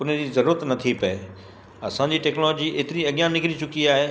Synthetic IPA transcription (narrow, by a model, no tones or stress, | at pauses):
ʊn̤d͡ʑiːzɐɾuːɾət̪nɐt̪ʰipɐḛ | ɐsãɲd͡ʑiːʈeːknɔloːd͡ʑiʔeːt̪ɪɾiɐɡjãnɪkɪɾit͡ɕʊkiaːɦeː